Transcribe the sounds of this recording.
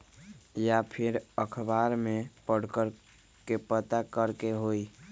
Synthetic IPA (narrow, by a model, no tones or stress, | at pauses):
japʰiɾəkʰəbaɾmepəɽ̤kəɾ | kepət̪akəɾkeɦoj